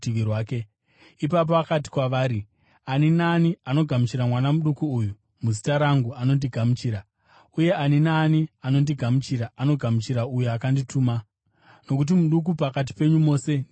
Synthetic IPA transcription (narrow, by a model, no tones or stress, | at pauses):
tiʋirwaːke̞ | ipap̬oakati̥kwaʋaːɾi | aninaːniano̞ɡʱamut͡ʃiɾamwanamuɗukuːju | muzitaɾaŋɡuano̞ndiɡʱamut͡ʃiːɾa | uje̞ʔaninaːniano̞ndiɡʱamut͡ʃiɾaano̞ɡʱamut͡ʃiɾaujuakandituːma | no̞kut̬imuɗuk̬upakat̬i̥pe̞ɲumo̞ːse̞